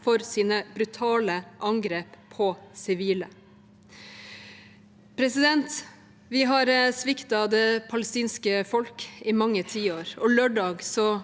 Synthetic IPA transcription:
fɔɾsiːnəb̥ɾʉt̪ʰɑːləʔɑŋɡɾeːppʰːɔsɪʋiːlə | pʰɾɛsɪd̪ɛnt̪ | ʋɪɦɑɾsʋɪkt̪ɑd̪ɛpʰɑləst̪iːnskəfɔlkɪmɑŋːət̪ʰiːoːɾɔløːɖɑːɡsɔ

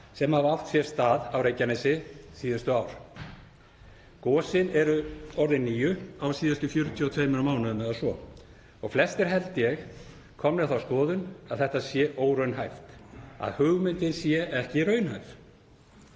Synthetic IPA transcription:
sɛmhavawft̪sjɛ̥st̪aːðawɾejcanɛsɪsiːðast̪ʏaːwɾ̥ | kɔːsɪnɛɾʏɔɾðɪnːiːjʏawsiːðast̪ʏfjʏɾt̪ʰjɔt̪ʰeːjmɪɾamaːwnaðʏmɛðasvɔ | ɔɣflɛst̪ɪɾ̥ɦɛlt̪jɛx | kʰɔmnɪθawskɔːðʏnaðθɛht̪asjɛʔoːwɾœɥnɦajft̪a̰ðhʏɣmɪnt̪ɪnsjɛʔɛhcɪɾœːɥnhɦajf

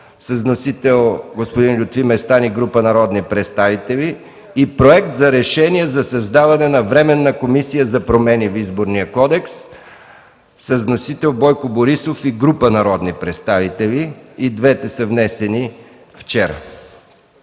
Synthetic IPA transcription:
səznosit̪ɛlˠɡospod̪inlʲʊt̪vimɛst̪aniɡɾupənɐɾɔd̪nipɾɛt̪st̪avit̪ɛlʲiː | pɾoɛkt̪zɐɾɛʃɛniɛzɐsɐzd̪avɐnɛnɐvɾɛmɛnːɐkomisijəzɐpɾomɛnivizboɾnijəkɔd̪ɛks | əznosit̪ɛlˠbɔjkoboɾisofiɡɾupənɐɾɔd̪nipɾɛt̪st̪avit̪ɛlʲiːd̪vɛt̪ɛsəvnɛsɛni | ft͡ʃɛɾə̰

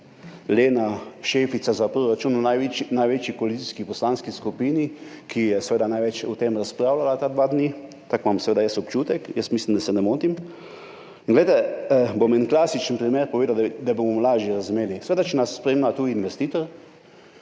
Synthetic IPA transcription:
leːnaʃefit̪sazapɾoɾat͡ʃununaʋit͡ʃnajʋet͡ʃikɔalitsiskipɔslanskiskupiːnikʰijɛsɛʋeːd̪anajʋɛt͡ʃut̪emɾaspɾaːwlalat̪ad̪ʋad̪ni | t̪akmamsɛʋeːd̪ajəst̪ɔpt͡ʃuːt̪ɛkjəst̪mislimd̪asɛnɛmoːt̪im | inɡlɛjt̪ɛbomɛnklaːsit͡ʃənpɾimeɾpɔʋeːd̪ad̪abomɔmlaːʒjɛɾazumeːlisɛʋeːd̪at͡ʃɛnasːpɾemnat̪uinʋɛst̪iːt̪ɔɾ

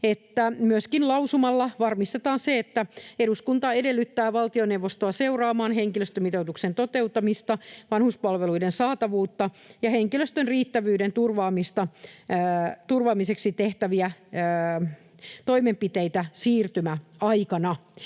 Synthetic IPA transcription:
et̪ːæmyøskinlɑusumɑlːɑʋɑrmist̪et̪ɑːnseet̪ːæeɾuskunt̪ɑedelːyt̪ːæːʋɑlt̪ionewʋost̪oɑseurɑːmɑːnɦeŋkiløst̪ømit̪out̪uksent̪ot̪eut̪ːˑɑmist̪ɑʋɑnhuspɑlʋeluidensɑːt̪ɑʋuːt̪ːɑ | jɑheŋkiløst̪ønriːt̪ːæʋyːɾent̪urʋɑːmist̪ɑ | t̪urʋɑːmiseksit̪eht̪æʋiæ | t̪o̞imempit̪eit̪æsiːrt̪ymæɑjkɑnɑ

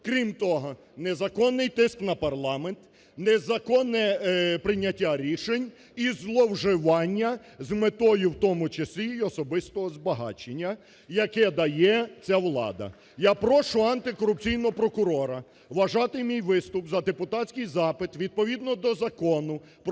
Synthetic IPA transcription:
kɾʲimt̪ɔɦɔ | nɛzɐkɔnːɪjt̪ɪsknɐpɐrlˠɑment̪ | nɛzɐkɔnːɛpɾɪnʲːɐtʲːaɾʲiʃenʲ | izlˠɔwʒɪʋɑnʲːɐ | zmet̪ɔjʊwt̪ɔmʊt͡ʃɐsʲlʲijiɔsɔbɪst̪ɔɦɔzbɐɦɑ̰t͡ʃenʲːɐ | jɐkɛd̪ɐjɛt͡sʲaʋlˠɑ̰d̪ɐ̰ | japɾɔʃʊɐnt̪ɪkɔɾʊp̚t͡sʲijnɔɦɔpɾɔkʊɾɔɾɐ | ʋɐʒɑt̪ɪmʲijʋɪst̪ʊpzɐd̪epʊt̪ɑtʲsʲkɪjzɑpɪt̪ʋʲid̪̚pɔʋʲid̪nɔd̪ɔzɐkɔnʊ | p

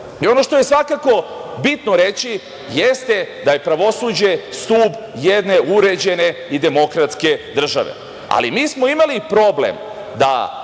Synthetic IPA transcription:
io̞no̞ʃt̪oje̞sʋakako̞bit̪no̞ɾe̞t͡ɕi | jest̪e̞d̪aje̞pɾaʋo̞suːd͡ʑe̞st̪uːbjed̪ne̞uɾe̞d͡ʑe̞ne̞id̪e̞mo̞kɾat̪ske̞d̪r̩ʒa̰ʋe̞̰ | a̰lḭmiːsmo̞imalipɾo̞blḛm | d̪a̰

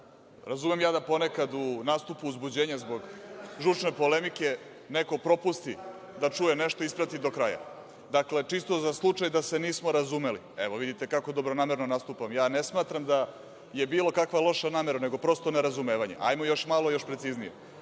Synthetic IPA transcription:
ɾazumemjaːd̪apo̞ne̞kad̪unaːst̪upuːzbud͡ʑeːɲazbo̞ɡʒut͡ʂno̞po̞lemike̞ | neko̞pɾo̞pust̪i | d̪at͡ʂuje̞neʃt̪oispɾat̪id̪o̞kɾaja̰ | d̪akle̞t͡ʂist̪o̞zaslˠut͡ʂajd̪ase̞niːsmo̞ɾazume̞lḭeʋo̞ʋid̪it̪e̞kakod̪o̞bɾo̞naːmeɾnonast̪upamjaːnesmaːt̪ɾamd̪a | je̞biːlo̞kakʋalˠo̞ʃanaːmeɾane̞ɡo̞pɾo̞st̪one̞ɾazume̞ːʋaɲe̞̰ʔa̰jmojo̞ʃmalˠojo̞ʃpɾe̞t̪siznije

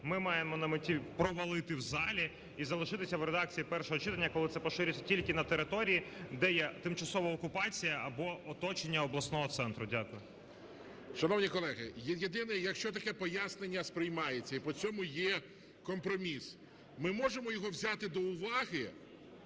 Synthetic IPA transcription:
mɪmɑjemɔnɐmɪtʲipɾɔʋɐlˠɪt̪ɪwzɑlʲi | izɐlˠɪʃɪt̪ɪsʲɐwɾed̪ɑk̚t͡sʲijipɛrʃɔɦɔt͡ʃɪt̪ɐnʲːɐkɔlˠɪt̪ɛpɔʃɪɾʲʊt͡sʲːɐtʲilʲkɪnɐt̪eɾɪt̪ɔɾʲijid̪ɛjɛt̪ɪmt͡ʃɐsɔʋɐɔkʊpɑt͡sʲijɐʔɐbɔɔt̪ɔt͡ʃenʲːɐɔblˠɐsnɔɦɔt̪sɛnt̪ɾʊdʲakʊjʊ | ʃɐnɔwnʲikɔlˠɛɦɪ̰jjed̪ɪnɛjɐkʃt͡ʃɔt̪ɐkɛpɔjasnenʲːɐspɾɪjmɑjet͡sʲːɐipɔt͡sʲɔmʊjɛ | kɔmpɾɔmʲis | mɪmɔʒemɔjɔɦɔwzʲat̪ɪd̪ɔʊʋɑɦɪ

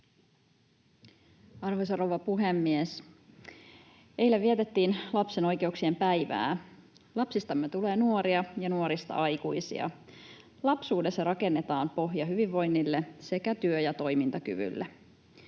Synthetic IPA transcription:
ɑrhosɑroʋɑpuɦemːies | ejlːeʋʋiet̪et̪ːiːnlɑpse̞no̞jke̞uksie̞mpæjʋæ̰ː | lɑpsist̪ɑmyøt̪ule̞ːnuoɾiɑjɑnuoɾist̪ɑ̰ʔɑjkuisḭɑ̰ | lɑpsuːde̞sːɑrɑke̞nːet̪ɑːmpo̞ɦjɑɦyʋiʋːo̞jnːilːese̞kæt̪yøjɑt̪o̞jmint̪ɑky̰ʋy̰lːe

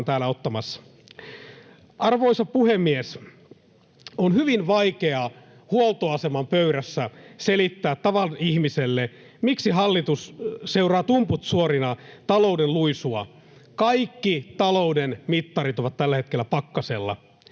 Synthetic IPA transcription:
nt̪æːlæot̪ːɑmɑsːɑ̥ | ɑrʋoisɑpuhemːies | onhyʋinʋɑikeɑ | huolˠt̪oɑsemɑmpøyɾæsːæselit̪ːæːt̪tɑʋɑlnihmiselːe | miksiɦɑlːit̪usseurɑːt̪umput̪suorinɑt̪ɑlo̞udelluisuɑ | kɑikːit̪ɑloudenmit̪ːɑrit̪oʋɑt̪t̪ælːæhet̪k̟elːæpɑkːɑselːɑ̰

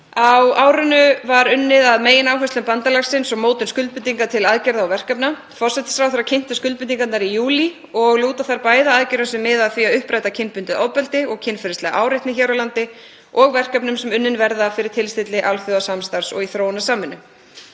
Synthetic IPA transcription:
awaːwɾʏnʏvaɾʏnːɪðaðmeːjɪnaːwɦœst̪ɛmpant̪alaxsɪnsɔɣmoːwt̪ɪnskʏl̚pʏnt̪iŋkat̪ʰɪlaðcɛɾðaɔwvɛr̥kapna | fɔr̥sɛt̪ɪ̥sfɾawθaɾacʰɪn̥t̪ɪskʏlpʏnt̪iŋkat̪naɾijuːli | ɔɣluːt̪aθaɾpaːjðaaðcɛɾʏnsʏmːɪðaðθviaʏhpɾajt̪acʰɪnpʏnt̪ɪðaːwpɛlt̪ɪɔɣcʰɪnfɪɾɪst̪lɛɣa̰ʔaːwɾɪjht̪nɪçɛːwɾawlant̪ɪ | ʔɔɣvɛr̥kapnʏmsɛmʏnːɪnvɛɾðafɪɾɪɾt̪ʰɪlst̪ɪt̪lɪʔalθjowasamst̪aɾ̥sɔ̰ɣiθɾoːwnasaːmɪnʏ

